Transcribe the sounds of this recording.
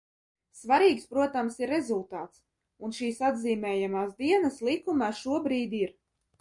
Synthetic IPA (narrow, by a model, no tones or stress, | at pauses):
svaɾiːkspɾuɔt̪amsiɾːezulˠt̪aːt̪s | unʃiːsad̪ziːmɛːjamaːsd̪iɛnaslˠikumaːʃuɔbɾiːd̪ʲiɾ